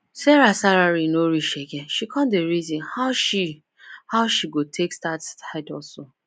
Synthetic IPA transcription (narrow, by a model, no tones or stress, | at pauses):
sɛɾasaɾaɾinoɾiʃeɡɛ̃nʃikʰɔ̃ndeɾizĩnhaʃi | haʊʃiɡotʰekstattʰaɪdɔso